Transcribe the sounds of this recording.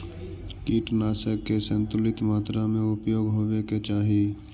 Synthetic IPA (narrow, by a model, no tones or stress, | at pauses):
kiːʈnaːsəkːesə̃nt̪ʊlɪt̪maːt̪ɾamẽʊpjoːɡɦoːʋeket͡ʃaːɦi